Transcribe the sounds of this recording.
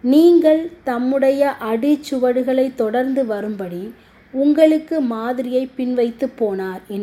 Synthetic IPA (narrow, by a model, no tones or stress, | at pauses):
niːŋɡɐɭt̪ɐmːɯɽɐjɐʔɐɽɯt͡ʃːɯʋɐɽɯɣɐɭɐɪt̪ːɔɽɐɾnd̪ɯʋɐɾɯmbɐɽi | ʊŋɡɐɭɯkːɯmaːðɪɾɪjɐɪpːɪnʋɐɪt̪ːɯpːoːnaːɾɛn